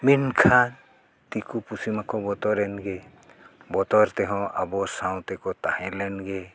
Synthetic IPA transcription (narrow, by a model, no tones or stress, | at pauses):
minkʰan | t̪ikupusimakɔbɔt̪ɔɾɛnɡɛ | bɔt̪ɔɾt̪ɛɦɔ̃ʔabɔsawt̪ɛkɔt̪ahɛ̃lɛnɡɛ